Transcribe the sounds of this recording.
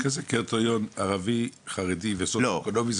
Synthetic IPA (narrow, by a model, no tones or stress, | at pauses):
kazekeʁtajonaʁaviχaʁedivesololomiz